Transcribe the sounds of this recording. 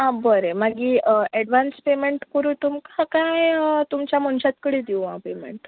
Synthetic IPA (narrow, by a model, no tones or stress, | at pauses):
ɦãbəɾemaɡiːɛɽʋanspemeɳʈkəɾut̪umkakajət̪umt͡ɕjamənɕat̪kəɽiːd̪iwɦa̰pemḛɳʈ